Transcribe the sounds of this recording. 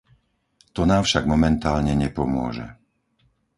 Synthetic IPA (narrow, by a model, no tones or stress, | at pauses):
t̪ɔnaːmfʃaɡmɔmɛnt̪aːlɲɛɲɛpɔmʊɔ̰ʒɛ̰